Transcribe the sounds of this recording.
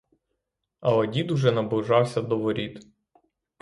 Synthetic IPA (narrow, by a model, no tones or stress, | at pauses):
ɐwɐdʲid̪uʒɛnɐbʊʒɑwsʲɐd̪ɔʋɔɾʲit̪